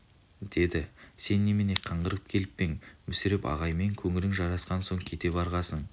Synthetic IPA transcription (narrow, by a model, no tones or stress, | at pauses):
d̪̥e̞d̪ɪse̞nːemeneqʰɑɴʁəɾəp̚kʲʰe̞lɪppe̞ŋmʏsɪɾɪpɑ̰ʁɑjme̞ŋkʲʰɵŋɪlɪŋʒɑɾɑsqɑnso̞ɴkʲʰe̞t̪e̞pɑɾʁɑsəɴ